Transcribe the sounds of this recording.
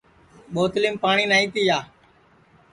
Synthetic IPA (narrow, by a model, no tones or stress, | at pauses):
ɓoːt̪liːmpaːɳiːnaːĩːt̪iːjaː